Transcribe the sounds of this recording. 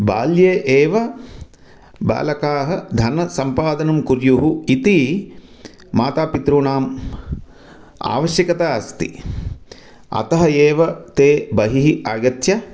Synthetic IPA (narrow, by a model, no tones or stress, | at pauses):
ba̰ːljeːʔeːʋɐ | ba̰ːlɐkaːɦɐ̆d̪ʱɐnɐsɐmpaːd̪ɐnɐmkuɾjuɦuit̪i | maːt̪aːpit̪ɾuːnaːm | a̰ːʋɐʃjɐkɐt̪aːɐst̪ḭ | ɐ̰t̪ɐɦɐeːʋɐt̪eːbɐɦiɦiʔaːɡɐt̪jɐ